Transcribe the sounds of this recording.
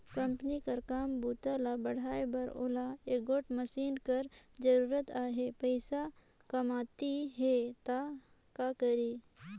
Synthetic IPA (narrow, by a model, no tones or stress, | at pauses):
kɐ̃mpənikɐɾkaːmbuːt̪aːlabɐɽ̤ʱaːebɐɾo̰ːlaeːɡoːʈmɐsiːnkɐɾd͡ʒɐɾuːɾət̪aːɦepɐɪsa | kɐmaːt̪iɦet̪a | kakɐɾiː